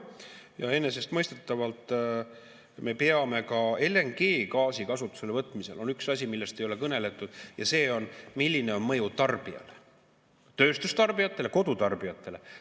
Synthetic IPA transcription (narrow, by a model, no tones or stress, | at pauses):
jɑe̞nːe̞se̞st̪mɤ̞jst̪et̪ːˑɑvɑlt̪ˑ | me̞peɑme̞kɑe̞lːe̞ŋɡeːkɑːsikɑsut̪ːˑu̥se̞levɤt̪ːˑmise̞lo̞nyksɑsʲimilːe̞st̪ejo̞lekɤne̞le̞t̪ːˑud̪̥jɑ̰se̞ːo̞nmilʲːine̞o̞nmɤjut̪ɑrb̥iɑ̰le | t̪ø̞ːst̪ust̪ɑrb̥ijɑt̪ːˑe̞le̞ko̞d̪ut̪ɑrb̥iɑt̪ˑːe̞le̞